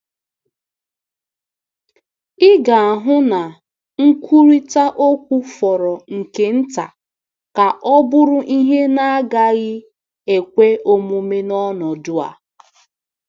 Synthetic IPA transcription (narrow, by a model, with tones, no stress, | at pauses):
ɪ˦ɡa˨a˨ɦʊ˦na˨ | ŋ̩˦kʷu˦ɾi˦ta˦ʔo˦kʷu˦fɔ˨ɾɔ˨ŋ̩˨ke˨n̩˦ta̰˨ | ka˨ʔɔ˦bʊ˦ɾʊ˦ʔi˦ɦe˦na˦a˦ɡa˦ɣɪ˦ | e˨kʷe˦o˦mu˦me˦nɔ˦nɔ˨dʊ˦a̰˨